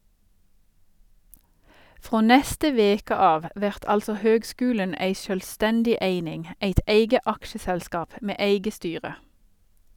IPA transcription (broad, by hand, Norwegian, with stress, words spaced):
ˈfʁoː ˈnɛstə ˈʋeːkə ˈɑːʋ ˈʋæʁt ˈɑlsɔ ˈhøːɡˌskʉːlən ˈeɪ ˈʃøːlˌstɛndɪ ˈeɪnɪŋ ˈeɪt ˈeɪɡə ˈɑkʃəsɛlˌskɑːp ˈmeː ˈæɪɡə ˈstyːʁə